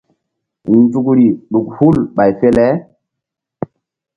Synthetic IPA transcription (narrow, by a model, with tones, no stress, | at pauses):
nd͡zu˨k̬ɾi˨ɗu˨khu˦lɓa˨jfe˦lɛ˦